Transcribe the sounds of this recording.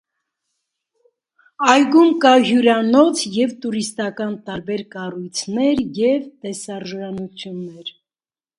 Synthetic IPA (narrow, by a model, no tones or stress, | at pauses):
ɑjɡumkɑɦjuɾɑnɔt͡sʰjɛvt̪uɾist̪ɑkɑnt̪ɑɾbɛɾkɑrujt͡sʰnɛɾjɛvt̪ɛsɑɾʒɾɑnut͡sʰjunːɛɾ